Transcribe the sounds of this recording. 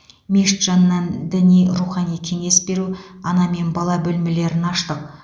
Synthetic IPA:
miʃt̪ʒ̥ɑnːɑnd̪ɪnijɾuχɑnijkʲʰe̞ŋe̞sbe̞ɾu | ɑnɑme̞nbɑlˠɑbɵlmɪle̞ɾɪnɑʃt̪əq̚

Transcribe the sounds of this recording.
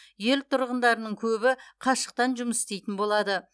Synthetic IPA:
je̞lt̪ʰʊɾʁənd̪ɑɾənəɴkʲʰɵbɪqʰɑʃə̥q̚t̪ɑnʒʊməsɪ̥st̪ejt̪ɪnbo̞lˠɑd̪ə

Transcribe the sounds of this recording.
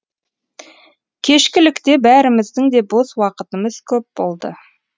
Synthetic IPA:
kʲʰe̞ʃkʲɪlɪkt̪e̞bæɾɪmɪzd̪ɪŋd̪e̞boswɑqət̪əməz̥kʲʰɵp̚bo̞lˠd̪ə̰

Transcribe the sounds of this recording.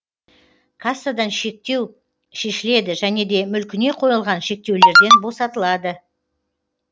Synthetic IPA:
kʰɑsad̪ɑnʃt̪e̞w | ʃe̞ʃɪle̞d̪ɪʒæne̞d̪e̞mʏlkʲɪne̞qʰo̞jəlˠʁɑnʃe̞k̚t̪e̞wle̞ɾd̪e̞nbo̞sɑt̪əlˠɑd̪ə

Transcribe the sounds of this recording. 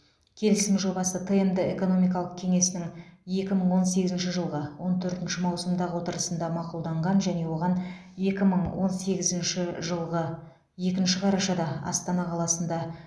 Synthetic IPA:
kʲʰe̞lɪsɪmʒo̞bɑsət̪ʰɨemd̪ɪe̞ko̞no̞mijk̬ɑlˠəq̚kʲʰe̞ŋe̞sɪnɪŋje̞kʲɪməɴwo̞nse̞ɡʲɪzɪnʃɪʒəlˠʁəwo̞nt̪ʰɵɾt̪ɪnʃɪmɑwsəmd̪ɑʁəwo̞t̪əɾəsənd̪ɑmɑqulˠd̪ɑɴʁɑnʒæne̞wo̞ʁɑn | ekʲɪməɴwo̞nse̞ɡʲɪzɪnʃɪʒəlˠʁə | je̞kʲɪnʃɪqʰɑɾɑʃɑd̪ɑɑ̰st̪ɑnɑqʰɑlˠɑsənd̪ɑ

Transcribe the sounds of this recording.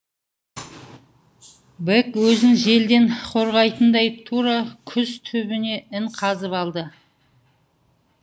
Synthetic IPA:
bekwɵzɪnʒe̞ld̪e̞ɴqʰo̞ɾʁɑjt̪ənd̪ɑjt̪ʰuɾɑkʲʰʏzt̪ʰʏbɪne̞ɪɴqʰɑzəpɑlˠd̪ə

